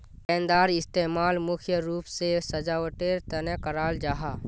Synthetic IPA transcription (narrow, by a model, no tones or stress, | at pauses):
kɛ̃ːnd̪aːɾɪst̪eːmaːlmʊkʰjəɾuːpsesəd͡ʒaoʈeːɾt̪ənekəɾaːld͡ʒaːɦaː